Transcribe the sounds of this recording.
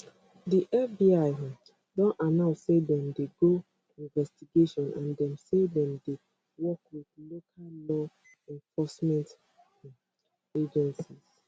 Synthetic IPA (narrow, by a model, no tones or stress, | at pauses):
diʔɛfbiaɪ | dɔ̃nanãʊ̃nsːedɛ̃mdeɡo | ĩnvɛstiɡeʃɔ̃nʔãndɛ̃msedɛ̃mde | wɔkwiθlokʰalːɔ | ɛ̃ɱfɔsmɛ̃nt | ed͡ʒɛ̃nsiz